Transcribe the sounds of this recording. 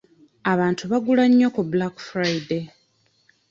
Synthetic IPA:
aβaːntʰuβaɡulaɲːokubulakfɾajde

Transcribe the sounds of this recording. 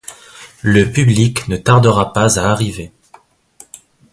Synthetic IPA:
ləpybliknət̪aʁd̪əʁapazaːʁive

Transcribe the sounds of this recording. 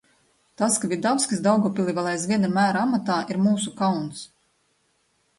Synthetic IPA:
t̪askavʲid̪awskʲisd̪awɡɔpʲilʲˠivalˠajs̬vʲiɛnamæːɾaamat̪aːʔiɾmuːsukawns

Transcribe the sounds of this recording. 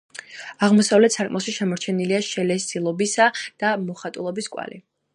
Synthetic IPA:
aʁmɔsavlɛt̪sakʼmɔʃiʃɛmɔɾt͡ʃʰɛniliaʃɛlɛssilˠɔbisad̪̥amɔχat̪ʼulˠɔbiskʼwa̰lḭ

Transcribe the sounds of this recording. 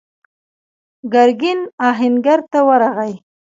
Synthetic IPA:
ɡaɾɡɪnɑɦɪnɡaɾt̪awəɾaɣaj

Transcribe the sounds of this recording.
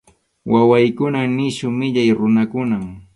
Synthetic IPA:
wʔawajkʊnanɪʃʊmɪʎajɾʊnakʊnam

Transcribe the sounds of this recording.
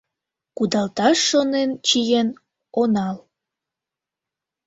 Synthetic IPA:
kud̪ɑlt̪ɑʃːonent͡ɕijen | onɑl

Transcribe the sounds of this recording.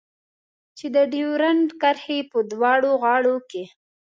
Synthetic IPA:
t͡ʃed̪əd̪iwɾanɖkaɾhepəd̪wɑɽoɣɑɽoke

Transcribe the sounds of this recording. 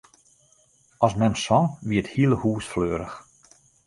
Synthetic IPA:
ɔsmɛmsɔʋiəthiəlˠəhuːsfløːɾəx

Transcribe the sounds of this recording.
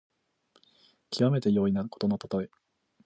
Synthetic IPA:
kʲʰiβame̞t̪e̞jo̞ːinaɾɯ̟ko̞t̪o̞not̪o̥t̪o̞e

